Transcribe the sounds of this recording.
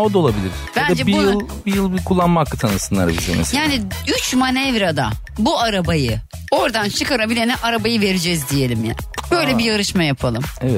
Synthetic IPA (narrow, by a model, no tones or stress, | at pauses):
od̪aolˠabilʲiɾ | b̥and̪ad͡ʒɛbijɯllˠbijɯlˠbikʰulˠːanmakːɯt̪ʰanɯsɯnlˠa̰ɾbḭzḛmḛsjaːniyt͡ʃmanɛvɾad̪a̰ | buaɾabajɯ | o̞ɾd̪ant͡ʃʰɯkaɾabilʲenɛʔaɾabajɯve̞ɾid͡ʒɛzd̪ije̞lʲimja̰b̥ø̞jlʲɛbijaɾɯʃmajapʰalˠɯmevɛt̪